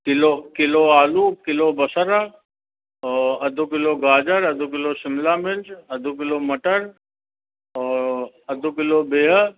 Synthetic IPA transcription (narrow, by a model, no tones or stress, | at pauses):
kɪlokɪloaːluːkɪlobɐsəɾə | ɐd̪ʱukɪloɡaːd͡ʒəɾɐd̪ʱuk̬ɪlosɪmlaːmɪnd͡ʒɐd̪ʱuk̬ɪlomɐʈəɾ | ɔːɾ | ɐd̪ʱʊkɪlobeːɦ